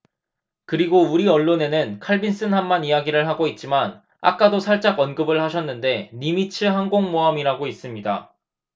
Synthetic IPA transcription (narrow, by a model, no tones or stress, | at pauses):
kɯɾiɡouɾiʌɭːone̞nɯnkʰaɭbins͈ɯnɦamːanijaɡiɾɯɭɦaɡoit̚t͡ɕ͈iman | a̰k̚k͈adosʰaɭt͡ɕ͈aɡʌnɡɯbɯɭhaɕʰʌnːɯnde̞nimit͡ɕʰɯɦaŋɡoŋmoɦamiɾaɡois͈ɯmɲida̰